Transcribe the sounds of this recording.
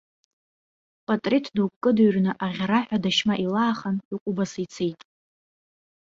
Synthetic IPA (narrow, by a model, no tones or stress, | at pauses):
pʼatʼritʰduwkkʼːɨduɥrnɨʔaʁʲaɾaħʷᶣadaʃmaʔilaːχaniqʷʼubasijt͡sʰejtʼ